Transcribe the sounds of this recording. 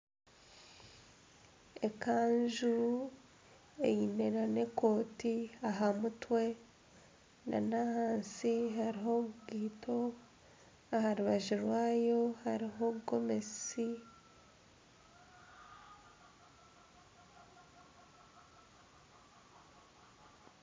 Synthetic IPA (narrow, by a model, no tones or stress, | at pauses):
ekaːnʒu | ḛjine̞ɾane̞ko̞ːtiaɦamutwe̞ | na̰nahaːnsiɦaɾiɦo̞ɡiːtʰo̞ | ahaɾuβaʒiɾwaːjo̞haɾiɦo̞ɡo̞me̞si